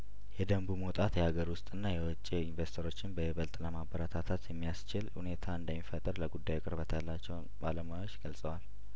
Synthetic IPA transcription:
jɛd̪əmbumot̪ʼat̪jɛhaɡəɾwʊst̪ʼɨnːajɛwɔt͡ʃʼːiinvest̪ʰoɾo̞t͡ʃːɪnbəβəlt̪ʼləmabəɾat̪ʰat̪ʰat̪jɛmːijast͡ʃɪlhune̞t̪ʰaɨnd̪əmːifət̪ʼəɾləɡud̪ːajkʼɨɾbət̪ʰjalːat͡ʃːɛw | baləmajo̞t͡ʃːɡəlsʼəwal

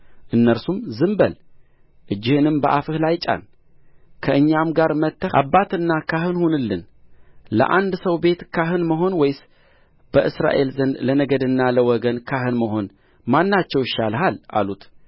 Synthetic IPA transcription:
ʔɨnːəɾsumzɨmbəl | ʔɨd͡ʒːɪhɨnɨmbəʔafɨhlajt͡ʃʼa̰n | kʰəɨɲːamɡaɾmət̪ːəʔa̰bːat̪ɨnːakʰahɨnhunɨlːɨn | lə̰ʔand̪səwbe̞t̪kʰaɦɨnməɦo̞nwɔjs | b̥əʔɨsɾa̰ʔe̞lzənd̪lənəɡəd̪ɨnːaləwɔɡənkʰaɦɨnməɦo̞n | manːat͡ʃːɛwɪʃalɦalʔa̰lut̪

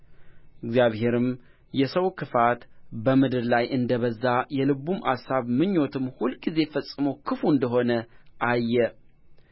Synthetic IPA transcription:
ʔɪɡzjaβhe̞ɾɨm | jɛsəwkʰɨfat̪bəmɨd̪ɨɾlajʔɨnd̪əβəzːajɛlɨβumʔa̰saβmɨɲːo̞t̪ʰɨmhulɡize̞fəsʼɨməwkʰɨfuɨnd̪əɦo̞nəʔajːɛ

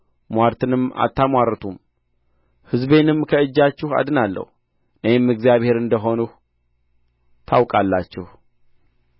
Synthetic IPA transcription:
mwaɾt̪ʰɨnɨma̰t̪ːamwaɾət̪ʰum | hɨzbe̞nɨmkʰəɨd͡ʒːat͡ʃːɪha̰d̪ɨnalːə̰h | nəjɛmɨɡzijaβhe̞ɾɨnd̪əɦo̞nuh | t̪ʰawkʼalːa̰t͡ʃːɪh

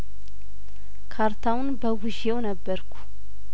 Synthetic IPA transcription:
kʰaɾt̪ʰawnbəɡuʒewnəbːəɾkʰu̥

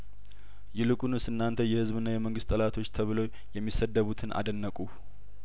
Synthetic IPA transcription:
jɪlɨkʼunɨsɨnːant̪ʰəjɛhɨzβɨnːajɛməŋɡɨst̪ʼːəlat̪ʰo̞t͡ʃːt̪ʰəβɨlo̞ | jɛmːisəd̪ːəβut̪ʰɨnʔa̰d̪ənːəkʼu

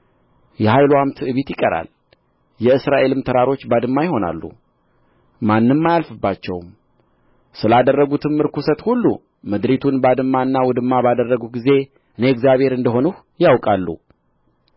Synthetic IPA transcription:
jɛhajluamt̪ʰɨɨβit̪jɪkʼəɾa̰l | jɛɨsɾaʔe̞lɨmt̪ʰəɾaɾo̞t͡ʃːbad̪ɨmːajɪho̞na̰lːṵ | manːɨmːajalfɨbːat͡ʃːɛwm | sɨlad̪ərːəɡut̪ʰɨmːɨɾkusət̪hulːṵ | mɨd̪ɾit̪ʰunbad̪ɨmːaɨnːawɔd̪ɨmːabad̪ərːəɡuɡize̞ | ɨneɡzjaβhe̞ɾɨnd̪əɦo̞nuh | jawkʼalːṵ

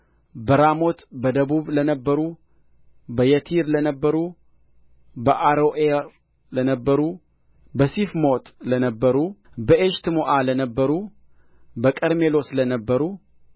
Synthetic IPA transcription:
bəɾamot̪bəd̪əβuβlənəbːəɾu | bəjət̪ʰiɾlənəbːəɾu | bəʔaɾoʔe | lənəbːəɾu | bəsifmot̪ʰʼlənəbːəɾubəʔeʃt̪ɨmoʔalənəbːəɾu | bəkʼəɾme̞lo̞slənəbːəɾu

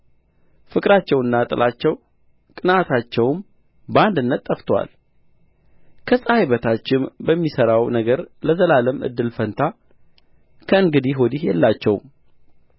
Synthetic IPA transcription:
fɨkʼɾat͡ʃːɛwɨnːat̪ʼɨlʔat͡ʃːɛw | kʼɨnat̪ʰat͡ʃːɛwm | band̪ɨnːət̪ʼːəft̪ʰwa̰l | kʰəsʼəhajβət̪ʰat͡ʃːɪnbəmːisəɾawnəɡəɾləzəlaləmʔɨ̰d̪ːɨlfənt̪ʰa | kʰəɨŋɡɨd̪iɦod̪ihjɛ̰lːat͡ʃːɛw̰m

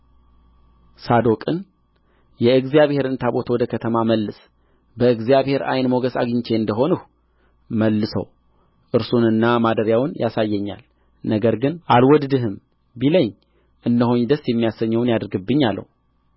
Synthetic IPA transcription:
sad̪o̞kʼɨn | jɛɨɡzijaβhe̞ɾɨnt̪ʰabo̞t̪ʰəwɔd̪əkʰət̪ʰəmaməlːɨs | bəɨɡzijaβhe̞ɾa̰jnmoɡəsa̰ɡɨɲt͡ʃʰe̞ɨnd̪əɦo̞nɨh | məlːɨsə̰w | ʔɨɾsunɨnːamad̪əɾjawnjʔasajːɛɲːa̰l | nəɡəɾɡɨnʔalwɔd̪d̪ɨɦɨm | biləɲː | ʔɨnːəɦuɲd̪əsjɛmːijasəɲːəwnjad̪ɨɾɡɨbːɨɲːalːə̰hu

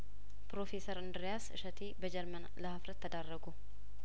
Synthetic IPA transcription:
pɾoːfeːsɐɾɐnd̪ɾɪjaːsɪ̰ʃɐt̪iːbɐd͡ʒɛɾmɐnlɐhafrɐt̪ːɐd̪arːɐɡʊ

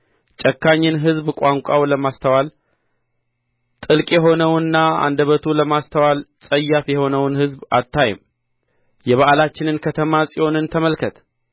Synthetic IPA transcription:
t͡ʃʼəkːaɲːɨnɦɨzbkʷʼaŋkʷʼawləmast̪ʰəwal | t̪ʼɨlkʼjɛɦo̞nəwɨnːaa̰nd̪əβət̪ʰuləmast̪ʰəwalsʼəjːafjɛho̞nəwnhɨzba̰t̪ːaj̰m | jɛβaʔalat͡ʃːɪnɨnkʰət̪ʰəmasʼiwo̞nɨnt̪ʰəməlkʰət̪

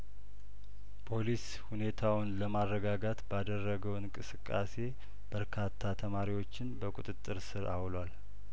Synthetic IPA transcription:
pʰo̞lis | hune̞t̪ʰawʊnləmarːəɡaɡat̪bad̪ərːəɡəwɨŋkʼɨsɨkʼːa̰se̞ | b̥əɾkʰat̪ʰːat̪ʰəmaɾiwo̞t͡ʃːɪnbəkʼut̪ʼɨt̪ʼːɨɾsɨɾa̰wlwal

